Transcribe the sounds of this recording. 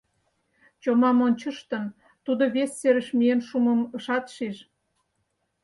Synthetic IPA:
t͡ɕomɑmonʲt͡ɕə̆ʃt̪ə̆n | t̪ud̪oβesːeɾəʃmijenʃumə̆məʃɑt̪ʃiʃ

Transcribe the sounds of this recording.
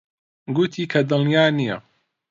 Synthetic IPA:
ɡut̪ʰiːkʰɐd̪ɨlijaːnijɐ

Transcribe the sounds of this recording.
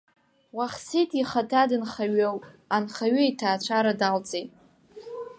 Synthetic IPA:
waχsejtʼiχatʰadɨnχaɥowʼanχaɥʏjtʰaːt͡ɕʷʰaɾadalt͡sʼejtʼ

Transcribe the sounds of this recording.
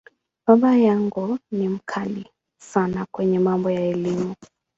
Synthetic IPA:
baɓajaŋɡunim̩kʰali | sanakwɛɲɛmambɔjaɛlimu

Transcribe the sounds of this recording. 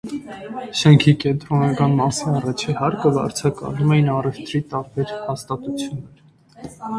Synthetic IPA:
ʃəŋkʰikɛnt̪ɾɔnɑkɑnmɑsiɑrɑt͡ʃʰihɑɾkəbɑ̰ɾt͡sʰɑkɑ̰lumɛjinɑrɛft̪ɾit̪ɑɾbɛɾhɑst̪ɑt̪ut͡sʰjunːɛɾ

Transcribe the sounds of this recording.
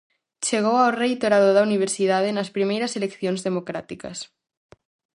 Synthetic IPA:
t͡ʃeɣ̞owawrejt̪oɾaðoðauniβ̞eɾsið̞að̞enaspɾimejɾaselekθjonzðemokɾat̪ika̰s

